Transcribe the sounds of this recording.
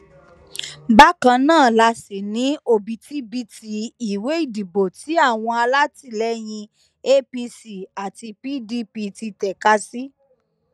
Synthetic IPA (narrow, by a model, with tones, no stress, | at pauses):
ba˦kã˧nãː˦˨la˧si˨nĩ˨˦o˧bi˨ti˨˦bi˦ti˧i˨we˨˦i˦˨di˨bo˨ti˨˦a˦˨w̃ɔ̃˧a˧la˦ti˦˨lɛ˨˦j̃ĩ˧ | e˦pi˧si˨a˨ti˧pi˦di˦pi˧ti˧tɛ˨ka˦si˦